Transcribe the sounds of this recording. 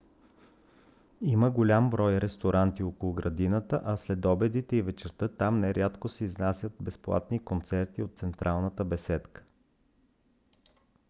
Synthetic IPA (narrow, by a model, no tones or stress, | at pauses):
iməɡolʲambɾɔjɾɛst̪oɾʔant̪iokolˠʊɡɾɐd̪inət̪əʔɐslɛd̪ɔbɛd̪it̪ɛivɛt͡ʃɛɾt̪ɤt̪amnɛɾʲat̪kosɛiznasʲjət̪̚bɛsplˠa̰t̪nikont̪sɛɾt̪iot̪̚sɛnt̪ɾʔalˠnət̪əbɛsɛt̪kə̥